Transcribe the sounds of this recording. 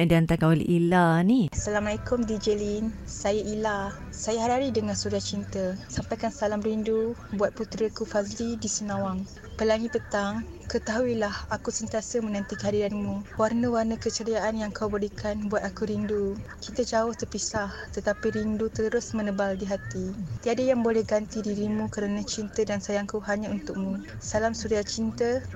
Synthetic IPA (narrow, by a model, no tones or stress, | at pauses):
diant̪akaolḛʔilanisalamalakʊmdid͡ʒəlinsajaʔila | sajaɦaɾaɾidəŋãnsuɡaht͡ʃint̪əsampajkansalamrindubuat̪̚put̪ɾəkufazlidisənãwaŋ | pəlaŋipət̪aŋkət̪aɦuilahakusənt̪iasəmənãnt̪ikəɦadiɾanmũwarnəwarnəkət͡ʃəɾiaʔanjaŋkʰawbəlikʰanbuat̪̚akuɾindukit̪əd͡ʒaʊht̪ərpisaht̪ət̪apiɾindut̪əɾʊsmənəbaldiɦat̪it̪iadəjaŋbolɛhɡant̪idiɾimũkəɾanat͡ʃint̪ədansajaŋkaɦaɲaunt̪ʊk̚mũ | salamsuɾiat͡ʃint̪ə